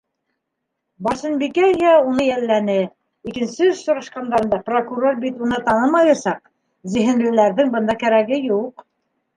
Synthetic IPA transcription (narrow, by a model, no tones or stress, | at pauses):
bɑʃɤnbikæjɦæunɤjælːænɘ | ikɘ̆nsɘɵʃsŏɾɑʃqɑnd̪ɑɾɤ̆nd̪ɑprokurorbit̪unɤt̪ɑnɤmɑjɑsɑq̚ | zɘ̆ɦɘ̆nlɘ̆læɾðɘŋbɤ̆nd̪ɑkæɾæɡɘjuq